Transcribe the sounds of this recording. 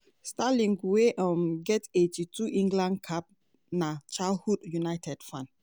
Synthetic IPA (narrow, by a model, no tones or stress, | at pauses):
stalĩŋɡweʔɔmɡɛtetituʔĩŋɡlãnkʰap̚ | nat͡ʃalhudjunajtʰɛd̥fãn